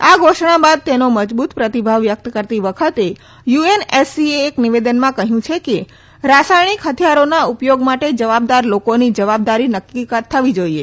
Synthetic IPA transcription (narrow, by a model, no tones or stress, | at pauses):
aɡʱoʃɳ̃abad̪̚t̪enoməd͡ʒbut̪pɾət̪ibʱaʋːjək̚t̪kəɾt̪iʋəkʰət̪e | juenesieːkniʋed̪ənmãkəɦjũt͡ʃʰeke | ɾasajɽ̃ikɦət̪ʰjaɾonaupjoɡmaʈed͡ʒəʋab̚d̪aɾlokonid͡ʒəʋab̚d̪aɾinəkːikat̪ʰːəʋid͡ʒoie